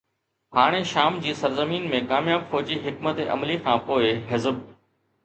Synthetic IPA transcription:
ɦaːɽ̃eʃaːmd͡ʑiːsɐɾzəmiːnmẽkaːmjaːbfɔːd͡ʑiɦɪkmət̪eʔɐ̰mlikʰãːpoːɪɦɪzəb̚

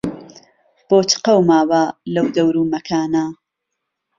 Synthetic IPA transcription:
b̥oːt͡ʃɨ̥qɐwmaːwaːlɐwd̪ɐwɾuːmɐkʰaːna

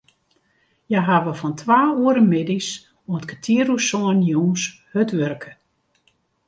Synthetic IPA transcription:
jaɦaʋəfɔntʰʋaːuəɾəmɪdis | oətkʰətʰiəɾusɔənjoːns | hətʋørkʰə̥

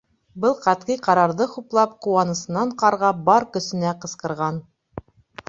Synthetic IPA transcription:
bɤlˠqɑt̪qijqɑɾɑɾðɤχuplˠɑp̚quɑnɤ̆sɤ̆nɑɴqɑɾʁɑbɑɾkɵ̆sɘ̆næqɤ̆sqɤ̆ɾʁɑn

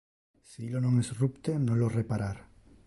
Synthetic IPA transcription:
siilonõŋesrupt̪enolorepaɾaɾ

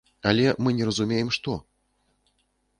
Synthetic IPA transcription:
alʲɛmɨnʲɛɾɐzumʲejɛmʂt̪ɔ

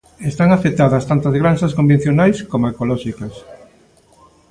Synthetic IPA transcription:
est̪aŋafet̪aðɐst̪ant̪ɐzɣɾansɐskombẽn̟θjonajskomoekolɔʃikɐs

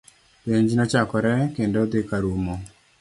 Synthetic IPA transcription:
peɲd͡ʒinɔt͡ʃakɔɾɛkendod̪ɪkaɾumo

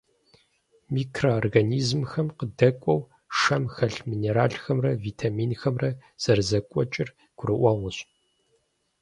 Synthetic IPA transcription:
miːkʰroorɡaniːzmxɐmqədɐkʷʼɔw | ʂɐmxɐɬmiːneɾaːɬxɐmrɐviːtʰamiːnxɐmrɐz̥ɐrzɐkʷʼɔt͡ʃʼɪr | ɡ̥ʷʊrɨʔʷɐʁʷʊɕʼ

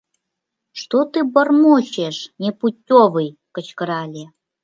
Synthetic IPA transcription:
ʃt̪ot̪ɨbərmoɕeʃnʲeputʲːovɨjkə̆t͡ɕkəɾɑlʲe

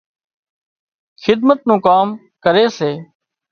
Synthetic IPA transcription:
xɪd̪mət̪̚nũːkaːm | kəɾeːseː

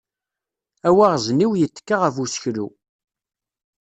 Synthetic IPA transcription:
æwæʁzniwjət̪ːkːaʁəfusçɾṵ

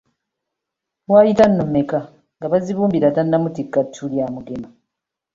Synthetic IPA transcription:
βwaːjitanːomeka | ŋɡaβaziβuːmbiɾatanːamutikːatʰːuljaːmuɡema

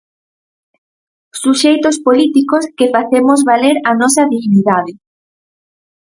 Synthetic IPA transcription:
suʃejt̪ospolit̪ikoskefaθemozβaleɾanɔsɐðiɣniðað̞ɪ

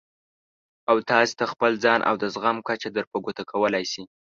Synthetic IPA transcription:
awt̪ɑse̥t̪axpəld͡zɑnʔa̰wd̪əzɣamkat͡ʃad̪əɾpaɡot̪akʰawəlajsi

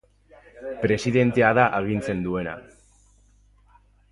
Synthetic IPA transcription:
pɾe̞siðe̞nt̪e̞aðaʔaɣint͡se̞nd̪ue̞na̰

